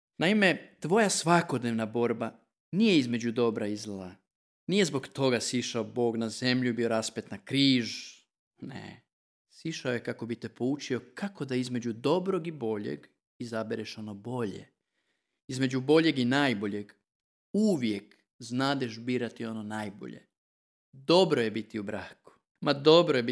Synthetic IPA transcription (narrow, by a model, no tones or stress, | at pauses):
naime̞t̪ʋo̞jasʋakod̪ne̞ʋnabo̞ɾba | nije̞izme̞d͡ʑud̪o̞bɾaizlˠa | nije̞zbo̞kt̪o̞ɡasiʃaobo̞ːɡnaze̞mʎubio̞ɾaspet̪nakɾiːʒ | nḛ | siʃaoje̞kako̞bit̪e̞po̞ut͡ʃio̞kʰako̞d̪aizme̞d͡ʑud̪o̞bɾo̞ɡibo̞ʎḛɡ | izabeɾeʃo̞no̞bo̞ʎḛ | izme̞d͡ʑubo̞ʎe̞ɡinaːjbo̞ʎe̞ɡ | uʋje̞k | znaːd̪eʃbiːɾat̪io̞no̞naːjbo̞̰ʎḛ | d̪o̞bɾo̞je̞bit̪iubɾaːku̥ | mad̪o̞bɾojebi